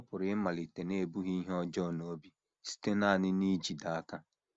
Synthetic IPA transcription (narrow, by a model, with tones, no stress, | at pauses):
pʊ˨ɾɪ˨˦ɪ˦ma˨li˨te˨ne˦e˨bu˦ɦi˦ɦɔ˦d͡ʒɔ˦˨no˨o˦bi˦ | si̥˦te˦na˦˨nɪ˦ni˦d͡ʒi˨da˨a˦ka˦